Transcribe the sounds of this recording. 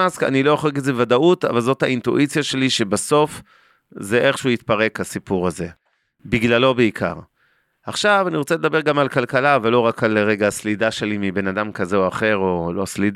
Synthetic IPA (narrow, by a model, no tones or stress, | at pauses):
aska̰nilo̞joχekezevad̪aʔut̪a̰valzo̞t̪haint̪uʔit͡sjaʃe̞liʃe̞baso̞f | ze̞ʔe̞χʃeuit̪paʁe̞khasipuʁaze̞ | biɡlalo̞beikʰa̰ʁ | aχʃavaniʁo̞t͡seled̪abe̞ʁɡamalkalkalavelo̞ʁakaleʁeɡaslid̪aʃe̞limibe̞nad̪amkazeoaχe̞ʁo̞lo̞slid